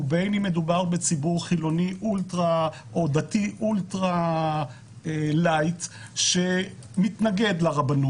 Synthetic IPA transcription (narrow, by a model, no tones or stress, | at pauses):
ubejnime̞dubaʁbet͡sibuʁχilo̞niʔult̪ʁa | ʔod̪atiʔultʁa | elajt̪ | ʃe̞ | mit̪naɡe̞d̪laʁabanu